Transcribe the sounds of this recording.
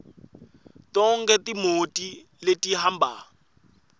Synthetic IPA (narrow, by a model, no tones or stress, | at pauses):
tʼɔŋ̩kɛtimotʼi | letʼiɦam̩ba̰